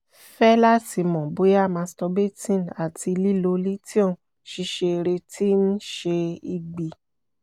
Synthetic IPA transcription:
fɛ˦la˦ti˧mɔ̃˨bo˨˦ja˦˨mã˧˦stɔ˧be˦˨tĩ˦˨na˨ti˧li˦lo˧li˦ti˦õ˦˨ | ʃi˧ʃe˧ɾe˧ti˦n̩˦ʃe˧i˧ɡ͡bi˨

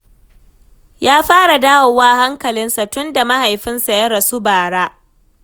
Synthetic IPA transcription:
jaː˦ɸaː˦ɽa˨daː˦wɐ˨waː˦ha˦ŋkɐ˨lɪ˦nsa˨tʊ˦nda˨ma˦ha˨jɸɪ˦nsa˨jɐ˦ɾɐ˨sʊ˦baː˨ɽaː˦

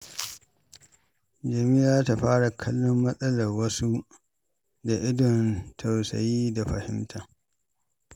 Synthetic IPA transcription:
d͡ʒɐ˨miː˦jaː˦ta˨ɸaː˦ɽa˨kʰɐ˦lːɔ˦mːɐ˦sʼɐ˦lɐ˨rwɐ˦su˦ | da˨ʔɪ˦dɔ˨ntʰɐ˨wsɐ̰˨jiː˦da˨ɸɐ˨hɪ˦mtʰa˨

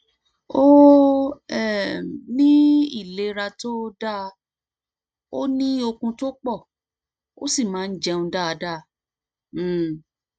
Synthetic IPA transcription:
o˦ | ɛ˦˨nĩ˦i˦˨le˨˦ɾa˧to˦da˦ | o˦nĩ˦o˧kũ˧to˦k͡pɔ˦˨ | o̰˦si˦˨mãː˨˦n̩˦d͡ʒɛ˦ũ˧da˦a˧da˦˨˦

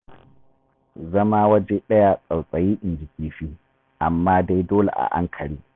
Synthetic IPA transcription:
zɐ˦maː˦wɐ˦d͡ʒe˦ɗɐ˦ja˦sʼa˨wsʼɐ˨jiː˦ʔɪ˨nd͡ʒɪ˨kʲiː˨ɸiː˦ | ʔa˨mːaː˦da˦jdoː˦lḛ˨ʔa̰˨ʔa̰˦ŋkʰɐ˨ɽiː˦

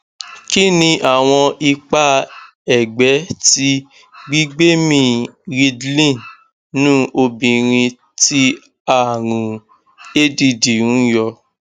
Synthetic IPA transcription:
ki˦nĩ˧ʔa˦˨w̃ɔ̃˧ʔi˧k͡pa˧ | ɛ˨ɡ͡bɛ˨˦ti˦ | ɡ͡bi˦ɡ͡be˦mĩ˧˨ɾi˧dlĩ˦˨ | nũː˦ʔo˧bĩ˨ɾ̃ĩ˧ | ti˦ | a˦˨ɾ̃ũ˨ | e˦di˧di˨ũ˨˦jɔ˧

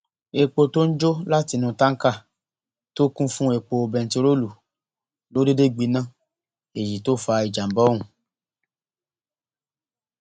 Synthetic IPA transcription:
e˨k͡po˨to˦n̩˦d͡ʒo˦la˦ti˨nũ˨tã˦ŋ̩˦ka˦˨ | to˦kũ˦fũ˦e˨k͡po˨o˨bɛ˨n˨ti˨˦ɾo˦lu˨ | lo˦de˦de˦ɡ͡bi˨nã˦˨ | e˨ji˨to˦fa˨i˨d͡ʒa˨m˨bɔ˦ŋũ˨

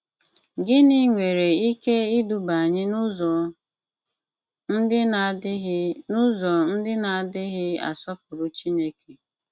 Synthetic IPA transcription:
ɡɪ˦ni˦ŋʷe˨ɾe˨i˦ke˦ɪ˦du˨ba˨ɲɪ˦˨ | n̩˦dɪ˦˨˦nʊ˦zɔ˨n̩˦dɪ˦na˨a˨dɪ˦ɣɪ˦a̰˨sɔ˦pʊ˨ɾʊ˨t͡ʃi˦ne˦ke˨

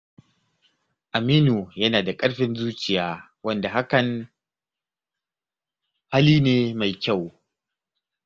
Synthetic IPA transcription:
ʔa˨miː˦nuː˨jɐ˦naː˨da˨kʼɐ˦ɽɸɪ˨nzuː˦t͡ʃɪ˨jaː˦ | wɐ˦nda˨ɦa˦kɐ˨ŋ | ha˦liː˦neː˦ma˨jkʲa˦˨w

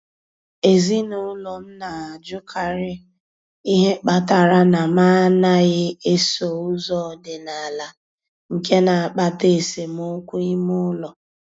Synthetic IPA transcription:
e˨zi˦nʊ˨˦lɔ˨m̩˦na˨a˨d͡ʒʊ˦kʰa˨ɾɪ˦ | i˦ɦe˦k͡pa˨ta˨ɾa˦na˨maː˦na˦ɣɪ˦e˦so˨u˦zɔ˦˨dɪ˨na˨a˨la˨ | ŋ̩˨ke˦na˨a˨k͡pa˦te˦˨se˨m˦o˦kʷu˦i˦mʊ˦lɔ˨

